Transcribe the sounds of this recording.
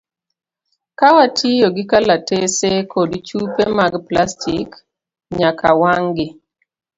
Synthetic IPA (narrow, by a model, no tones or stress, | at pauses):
kawatʰijoɡɪkalatesekʰodt͡ʃupemaɡplastʰik | ɲakawaŋɡɪ